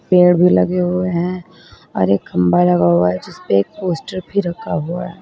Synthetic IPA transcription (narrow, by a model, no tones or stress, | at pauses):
peːɽbʱilɐɡeɦueɦɛ̃ | ɔ̰ːɾeːkːɐmbalɐɡaɦuaɦɛd͡ʒɪspeeːk̚poːsʈəɾbʱiɾɐkʰaɦuaɦɛː